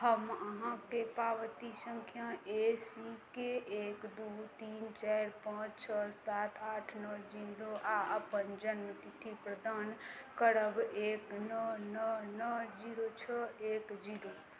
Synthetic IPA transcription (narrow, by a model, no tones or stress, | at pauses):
həməɦãkepaːʋət̪isəŋkʰjaʔesikeeːkd̪ut̪iːnt͡ʃaɾpãːt͡ʃt͡ʃʰəsaːt̪ʰaːʈʰnəd͡ʒiɾoʔaəpənd͡ʒənːət̪it̪ʰipɾəd̪aːnkəɾəbeːknənənəd͡ʒiɾot͡ʃʰəeːkd͡ʒiɾo